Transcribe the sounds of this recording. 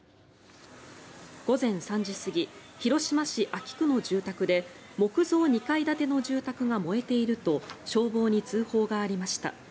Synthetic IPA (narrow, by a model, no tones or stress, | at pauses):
ɡ̥o̞zẽ̞ɰ̃sãɲ̟d͡ʑisɨɡʲiçiɾo̞ɕimaɕiʔakʲi̥kɯ̟no̞ʑɨːt̪akɯ̟d̪e̞mo̞kɯ̟zo̞ːɲ̟ikaid̪at̪e̞no̞ʑɨːt̪akɯ̟ɡamo̞e̞t̪e̞iɾɯ̟t̪o̞ɕo̞ːbo̞ːɲ̟it͡sɨːho̞ːɡaːɾʲimaɕi̥t̪a̰